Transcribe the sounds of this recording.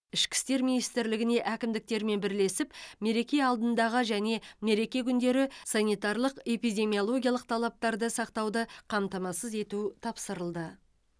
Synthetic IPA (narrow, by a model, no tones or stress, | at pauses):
ɪʃkʲɪ̥st̪e̞ɾminijst̪ɪɾlɪɡʲɪne̞ʔækʲɪmd̪ɪk̚t̪e̞ɾme̞nbɪɾle̞sɪpme̞ɾe̞kʲe̞ɑlˠd̪ənd̪ɑʁəʒæne̞me̞ɾe̞kʲe̞kʲʰʏnd̪e̞ɾɪsɑnijt̪ɑɾlˠəqe̞pijd̪ʲe̞mijolˠo̞ɡʲijɑlˠəq̚t̪ʰɑlˠɑp̚t̪ɑɾd̪əsɑqt̪ɑwd̪əqʰɑmt̪ɑmɑsəze̞t̪ut̪ʰɑpsəɾəlˠd̪ə